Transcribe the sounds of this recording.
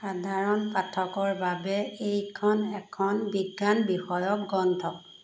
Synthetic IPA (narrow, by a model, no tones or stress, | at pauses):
xadʱaɹɔnpatʰɔkɔɹbabɛejkʰɔnɛkʰɔnbiɡːanbixɔjɔk̚ɡɔntʰɔk̚